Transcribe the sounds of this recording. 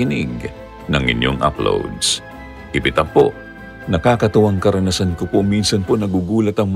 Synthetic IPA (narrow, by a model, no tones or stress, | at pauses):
ɪnɪɡ̚ | nɐŋʔɪ̰njoŋʔa̰plo̰wd̪s | hɪbɪt̪ɐpo̰ | nɐkaːkɐt̪ʊwaŋkɐɾɐnɐsankopominsɐnponɐɡuɡuːlɐt̪ɐŋm